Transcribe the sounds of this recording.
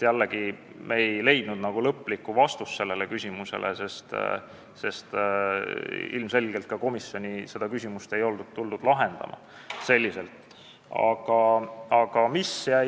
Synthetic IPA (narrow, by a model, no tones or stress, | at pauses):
jælːeɡ̥i | meejle̞jd̪̥nud̪nɑɡ̥ulɤpːˑlikːuvɑst̪usːse̞lːe̞lekysʲimusḛlʔese̞st̪ | se̞st̪ | ḭlmse̞lʲɡ̥elt̪̚kɑko̞misjo̞nʲise̞d̪̥ɑkysʲimust̪e̞jo̞ld̪ud̪̚t̪ːuld̪ud̪̥lɑɦe̞nd̪̥ɑ̰mʔɑ̰ | se̞lʲːise̞lt̪ˑ | ɑ̰ɡ̥ɑɑɡ̥ɑmisjæ